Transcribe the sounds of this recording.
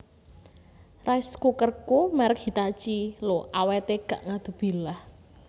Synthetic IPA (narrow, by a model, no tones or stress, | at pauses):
raiskukərkumaɾɪk̚hi̤t̪at͡ʃiloʔawet̪eɡ̥a̤ʔŋad̪̥ṳb̥i̤lah